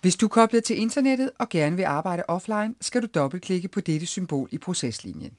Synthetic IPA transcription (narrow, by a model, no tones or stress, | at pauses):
ʋe̝sd̥ukʰɒ̽b̥lɐt͡sʰe̝le̝nd̥ɐned̥ð̞̩ˠɒ̽ɡ̥æɐnəʋe̝ʔɑ̈ːb̥ɑ̈ɪ̰ɾəʔɒ̽flɑ̈ɪnsɡ̥æɾud̥ɒ̽b̥l̩̚kʰle̝ɡ̥əpʰɒ̽d̥eɾ̥əsymb̥o̝̰ːlipʰʁo̝seslḭnjən